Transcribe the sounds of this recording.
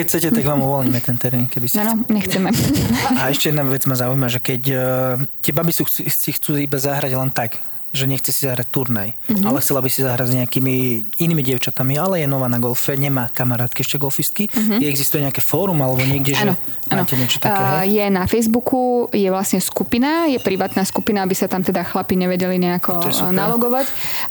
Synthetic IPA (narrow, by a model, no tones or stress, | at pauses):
kɛcʰt͡sɛcɛt̪aɡʋaːmuʋɔlɲimɛt̪ɛnt̪ɛɾmiːnkɛbisanɔɲɛxt͡sɛmɛaɛʃcɛjɛd̪naʋɛd͡zmazaujimaʒɛkɛc | t̪ɪɛbabisusixt͡suːibazaɦɾaɟlɛnt̪aɡ | ʒɛɲɛxt͡sɛsizaɦɾac̚t̪uɾnajalɛxt͡sɛlabisizaɦɾazɲɛakimiiniːmiɟɪɛʊt͡ʃat̪amialɛjɛnɔʋaːnaɡɔlfɛɲɛmaːkamaɾaːt̪kiɛʃcɛɡɔlfist̪̚kiɡɛɡzist̪ujɛɲɛakɛfɔːɾumalɛbɔɲɪɛɡɟɛʒɛ | aːcɛɲɪɛt͡ʃɔ̥t̪aaɛɦɛjɛnafɛjzbukujɛʋlasɲɛskupinajɛpɾiʋaːt̪naskupinaabisat̪amt̪ɛd̪axlapiɲɛʋɛɟɛliɲɛakɔnalɔɡɔʋac